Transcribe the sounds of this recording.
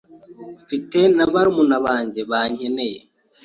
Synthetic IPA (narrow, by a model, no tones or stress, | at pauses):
ɱfite̞naβaɾimunaβaːɲɟe̞βaːɲeneje